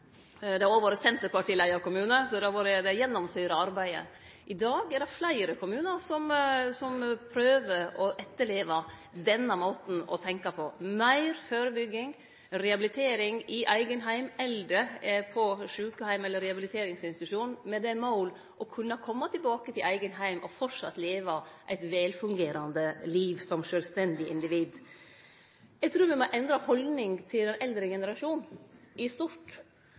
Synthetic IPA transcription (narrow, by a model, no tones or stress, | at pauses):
d̪ɛæɾoːʋoːɾəsɛnt̪əɾpʰɑʈiːlæɪɑʋkʊmʉːnəsɔd̪ɛɑɾʋoːɾəd̪ɛæjɛnːɔmsœʏɾəɑɾbæɪə̰ | ʔɪd̪ɑːɡæd̪ɛflæɪɾəkʰʊmʉːnəɾsɔmsɔmpʰɾøːʋəɾɔʔɛt̪ːəɭeːʋɑd̪ɛnːɑmoːt̪n̩ɔ̰t̪ʰɛŋkɑpʰɔmæɪɾføːɾəbʏɡːɪŋ | ɾɛhɑbɪlɪt̪ʰeːɾɪŋɪʔæɪɡənɦæɪmɛld̪əpʰɔʂʉːkəhæɪmɛlːəɾɛhɑbɪlɪt̪ʰeːɾɪŋsɪnsɪt̪ʉʂuːnmɛd̪ɛmaʊl | ʔɔkʰʉnːɑkʰɔmːɑt̪ʰɪlbɑːkət̪ʰɪlʔæɪɡənɦæɪmʔɔfɔʂɑ̰t̪ːleːʋɑʔæɪt̪ʋɛːlfʉŋɡeːɾɑnd̪əliːʋsɔmʂøːlst̪ɛnd̪ɪʔɪnd̪ɪʋiːd̪ | jɛɪɡ̚t̪ʰɾuːɾmɛmɔʔɛnd̪ɾɑhɔlnɪŋt̪ʰɪlɛnɛld̪ɾəɡɛnəɾɑʂuːnʔɪst̪uɾʈ